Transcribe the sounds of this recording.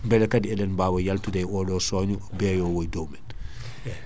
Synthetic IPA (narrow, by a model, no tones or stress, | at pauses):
mbɛlɛkɐdiɛlɛnbaːwɐjɐltudɛjɔːdɔːsɔːɲu | bɛːjɔːwɔjdoːmɛn